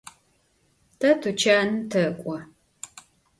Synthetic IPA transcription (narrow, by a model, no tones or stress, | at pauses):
tʰɐtʰut͡ʃʰaːnɨtʰɐkʷʼɔ